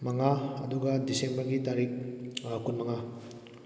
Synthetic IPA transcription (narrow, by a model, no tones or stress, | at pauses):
mɐŋaɐduɡɐdisembɐɾɡitaɾik̚kunmɐŋa